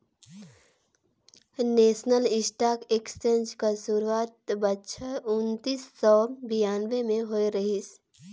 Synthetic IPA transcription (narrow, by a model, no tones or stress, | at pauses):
neːsnəlɪsʈaːkeksʈẽnd͡ʒkasuɾuaːt̪̚bətːʃʰəʊnt̪iːsːɔbijaːnʋemẽɦoiɾəɦis